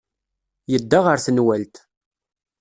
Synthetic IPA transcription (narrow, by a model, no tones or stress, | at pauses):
jəd̪ːaʁəɾθənwælt̪